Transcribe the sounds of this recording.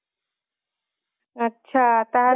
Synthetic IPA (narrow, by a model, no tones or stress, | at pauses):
ətːɕʰat̪aɦa